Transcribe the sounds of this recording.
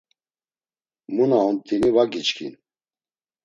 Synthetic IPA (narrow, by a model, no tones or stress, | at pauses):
munaɔmt̪ʰʼinivaɡit͡ʃkʰḭn